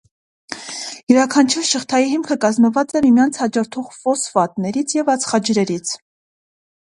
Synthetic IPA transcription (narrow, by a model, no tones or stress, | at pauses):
jəɾɑkʰɑnt͡ʃʰuɾʃəχt̪ʰɑjiɦimkʰəkɑzməvɑt͡sɛmimjɑnt͡sʰhɑd͡ʒɔɾt̪ʰɔʁfɔsvɑt̪nɛɾit͡sʰjɛvɑt͡sʰχɑd͡ʒɾɛɾit͡sʰ